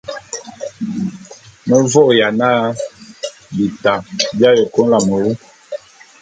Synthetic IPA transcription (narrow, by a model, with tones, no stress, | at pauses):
nə˦vɔ˦ʔja˨na˦ | bi˨ta˨bja˦jə˨ko˦n˦la˨mə˨wu˦